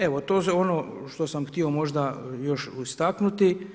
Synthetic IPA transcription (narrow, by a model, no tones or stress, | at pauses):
e̞ʋot̪oːso̞no | ʃt̪osamxt̪io̞mo̞ʒd̪ajo̞ʃust̪aknut̪i